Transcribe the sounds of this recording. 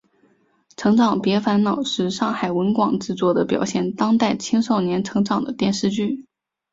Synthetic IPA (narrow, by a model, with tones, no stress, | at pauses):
ʈ͡ʂʰɤ˧˥ŋʈ͡ʂɑ˨˩ŋpjɛ˧˥fa˧˥nnɑ˨˩ʊʂɻ̩˥˧ʂɑ˥˩ŋxa˨˩ɪwə˧˥nkwɑ˨˩ŋʈ͡ʂɻ̩˥˧t͡swɔ˥˩d̪ə˩pjɑ̰˨˩ʊɕjɛ˥˩nt̪ɑ˥ŋt̪a˥˩ɪt͡ɕʰi˥ŋʂo˥˩ʊnjɛ˧˥nʈ͡ʂʰɤ˧˥ŋʈ͡ʂɑ˨˩ŋd̪ə˦t̪jɛ˥˧nʂɻ̩˥˧t͡ɕy˥˩